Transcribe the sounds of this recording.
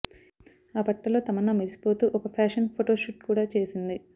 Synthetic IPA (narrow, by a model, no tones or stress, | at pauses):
aːpɐʈːɐlo̞ːt̪ɐmɐnːaːmiɾisi̥po̞ːt̪uːʔɔkɐpʰaːʂɐnpʰoʈo̞ːʃuʈkuːɽaːt͡ʃe̞ːsind̪i